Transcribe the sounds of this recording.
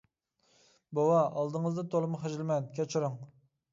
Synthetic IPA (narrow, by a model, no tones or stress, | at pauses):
bowɑɑlˠd̪ɨŋəzd̪ɑt̪ʰolˠɨmʊχeʒɪlmɛnkʲʰɛt͡ʃʰiɾʊŋ